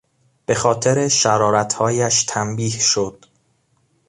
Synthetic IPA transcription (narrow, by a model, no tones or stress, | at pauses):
b̥e̞xɒːt̪ʰe̞ɾe̞ʃæɾɒːɾæt̪ʰhɒːjæʃt̪ʰæmbiːhʃod̪̥